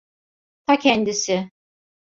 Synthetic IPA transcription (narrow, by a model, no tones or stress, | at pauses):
t̪ʰacʰɛnd̪isɪ